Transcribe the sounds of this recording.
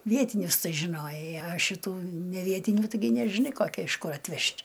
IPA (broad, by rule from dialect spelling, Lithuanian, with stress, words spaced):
ˈʋʲiɛtʲɪnʲʊs ˈtɐɪ ʒʲɪˈnoːjɛɪ ɐ ʃʲɪˈtuː nʲɛˈʋʲiɛtʲɪnʲuː tɐɪˈɡʲɪ nʲɛʒʲɪˈnɐɪ koːˈkʲɪ ɪʃ kʊr ɐtʲˈʋʲɛʃʲtʲ